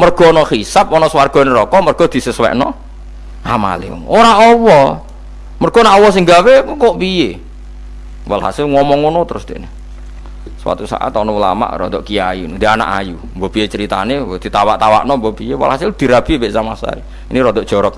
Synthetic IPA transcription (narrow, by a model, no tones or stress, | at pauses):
mərɡ̥ɔnɔxisapɔnɔswarɡ̥ɔneɾɔkɔmərɡ̥ɔ̤d̪̥i̤səswɛ̰ʔnɔ | hama̰lḛoɾaɔwɔ | mərɡ̥ɔ̤naʔɔwɔs̬ɪŋɡawekoʔpije | wa̰lha̰sɪlŋɔmɔŋonɔt̪əɾʊsd̪ḛʔne | səwa̰t̪usa̰ʔa̰t̪ɔnɔwəla̰ma̰ʔɾɔ̰d̪ɔʔkiajund̪̥iana̰ʔa̰ju | mbɔb̥ijet͡ʃəɾit̪a̰ned̪̥i̤t̪awaʔt̪awa̰ʔnɔmbɔbijewa̰lhasɪld̪̥i̤ɾab̥i̤beʔsamasa̰i | iniɾɔd̪ɔʔd̥ʒ̥ɔ̤ɾɔk̚